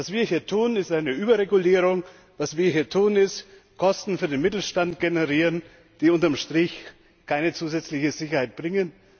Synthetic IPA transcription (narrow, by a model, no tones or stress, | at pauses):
vasv̥iːɐhiːɐtʰuːənɪstʔaɪnəʔyːbɐʁeɡuliːʁ̞ʊŋ | vasv̥iːɐɦiːɐtʰuːənɪst | kʰɔstn̩fyːɐdeːnmɪtl̩ʃtantɡ̥enəʁiːʁən | d̥iːʊntɐmʃtʁ̥ɪç | kʰaɪnət͡suːzɛt͡slɪçəzɪçɐhaɪt̚b̥ʁɪŋən